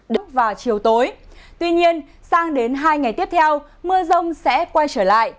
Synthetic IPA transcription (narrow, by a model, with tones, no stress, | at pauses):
ɗɨ˨˦˥vaː˨˩wt͡ɕi˨˩əwt̪o˨˦jt̪wi˧ɲi˧ən | saː˧ŋɗe˨˦nɦaː˧jŋa˨˩jt̪i˦˥əp̚t̪ʰɛ˧w | mɨ˧əzə˧wŋ͡msɛ̰˧˥kwa˧jt͡ɕəː˧˩la̰ː˧˨jʔ